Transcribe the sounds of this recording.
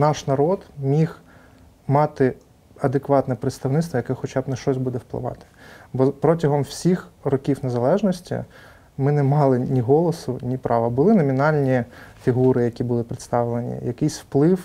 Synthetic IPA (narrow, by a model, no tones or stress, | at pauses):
nɑʃnɐɾɔd̪mʲix | mɑt̪ɪ | ɐd̪ekʋɑt̪nɛpɾɪt̪st̪ɐwnɪt̪st̪ʋɔjɐkɛxɔt͡ʃɑbnɐʃt͡ʃɔsʲbud̪ɛwplˠɪ̰ʋɑ̰t̪ɪ̥bɔpɾɔtʲɐɦɔmwsʲixrɔkʲiwnezɐlˠɛʒnɔsʲtʲḭ | mɪnɛmɑlˠɪnʲiɦɔlˠɔsʊnʲipɾʔɑʋɐbʊlˠɪnɔmʲinɑlʲnʲifʲiɦuɾɪjɐkʲibʊlˠɪpɾɪt̪st̪ɑʋlˠenʲḭjɐkɪjsʲwplˠɪw